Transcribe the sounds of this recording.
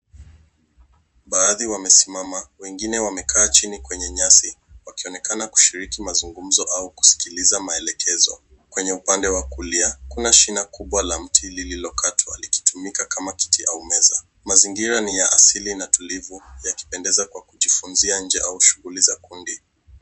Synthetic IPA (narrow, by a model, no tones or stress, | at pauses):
ɓaːðiwamɛsimamawɛŋɡinɛwamɛkʰaːt͡ʃinikwɛɲɛɲasi | wakiɔnɛkanaku̥ʃiɾikimazuŋɡum̩zɔʔauku̥si̥kilizamaɛlɛkʰɛzɔ̰ | kwɛɲɛupandɛwakuliakunaʃinakuɓwalam̩tʰilililɔkatʰwa̰liki̥tʰumikakamaki̥tiʔaumɛza | maziŋɡiɾanijaʔasilinatulivujaki̥pɛndɛzakwakuʄifunziaɲ̩d͡ʒɛʔauʃuɣulizakundi